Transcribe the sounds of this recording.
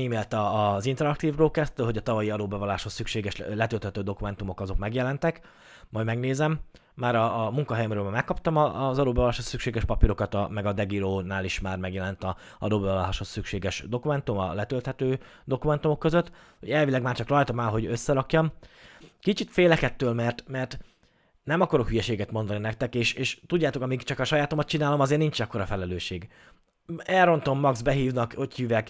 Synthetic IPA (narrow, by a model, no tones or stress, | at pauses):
iːmeːlt̪ɒːzint̪ɛɾɒk̚t̪iːvroːlkɛst̪yːlɦo̞ɟɒt̪ɒvɒjiɒd̪oːbɛvɔlaːʃho̞sːykʃeːɡɛʃlɛt̪ølt̪hɛt̪øːd̪o̞kumɛn̪t̪umo̞kɒzo̞kmɛɡjɛlɛnt̪ɛk | mɒjmɛɡneːzɛmː | aːɾɒmuŋkɒɦɛjɛmɾøːlmamɛkːɒpt̪ɒmɒzɒd̪oːbɛvɒlːaːʃhosːykʃeːɡɛʃpɒpiɾo̞kɒt̪ɒmɛɡɒd̪ɛɡiɾoːnaːliʃmaːrmɛɡjɛlɛnt̪ɒ | ɒ̰d̪oːbɛvɒlaːʃho̞sːykʃeːɡɛʃd̪o̞kumɛn̪t̪umɒ̰lɛt̪ølt̪hɛt̪øː | d̪o̞kumɛnt̪umo̞kːøzøt̪ː | ho̞̰ɟɛlvilɛɡmaːrt͡ʃɒkrɒjt̪ɒmaːlɦo̞ɟøsːɛɾɒkjɒm | kit͡ʃit̪feːlɛkɛt̪ːøːlmɛrt̪mɛrt̪ | nɛmɒkɒɾo̞khyjɛʃeːɡɛt̪mo̞nd̪ɒninɛk̚t̪ɛkeːʃeːʃt̪udɟːaːt̪o̞kɒmiɡt͡ʃɒkɒʃɒjaːt̪o̞mɒt̪̚t͡ʃinaːlo̞mɒzeːrnint͡ʃɛkːo̞ɾɒfɛlɛløːʃeːɡ | ɛlro̞nt̪o̞mːɒɡzbɛɦiːvnɒkochyvɛk